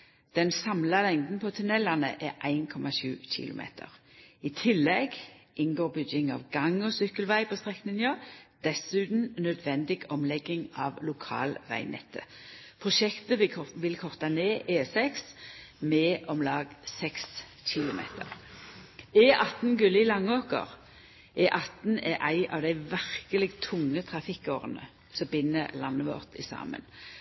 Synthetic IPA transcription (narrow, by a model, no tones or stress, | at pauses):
d̪̥ɛnsɑmlɑlɛŋd̪n̩pʰɔt̪ʰʉnɛlːɑnə̰ʔɛʔæɪnkʰɔmɑʃʉ̰ːçɪ̰lʊ̰mʔḛːt̪ʰə̰ʁ | ɪt̪ʰɪlːɛɡʔɪnɡoːʁbʏɡɪŋɑ̰ʋɡɑŋɔsʏkːəlʋæɪpʰɔst̪ʁɛknɪŋjøːd̪̥ɛsʉːt̪n̩nœd̪ʋɛnd̪ɪɡɔmlɛɡːɪŋɑːʋlʊkʰɑ̰ːlʋæ̰ɪnɛ̰t̪ʰːəpʰʁʊʃɛkt̪əʋɪlkʰɔʁt̪ɑneːʔeːsɛksmɛʔɔmlɑːɡsɛks | ɕɪlʊmḛːt̪ʰə̰ʁ | eːʔɑt̪n̩ɡʉləɪlɑŋːoːkə̰ʁ | ʔɛːʔɑt̪n̩ɛʔæɪʔɑ̰ʋd̪æɪʋæʁkəlɪɡt̪ʰʊŋːət̪ʰʁɑfɪkːoːʁənə̰ | sɔmbɪnːəlɑnːəʋɔ̰ːʁt̪ɪsɑ̰ːmə̰n